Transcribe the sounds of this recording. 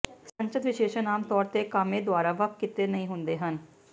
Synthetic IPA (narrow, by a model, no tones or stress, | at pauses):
sə̃ɲt͡ʃət̪ʋɪʃeːʃənaːmt̪ɔːɾt̪eːkaːmẽːd̪ʊaːɾaːʋəkkɪt̪eːnəĩːɦʊnd̪eːɦən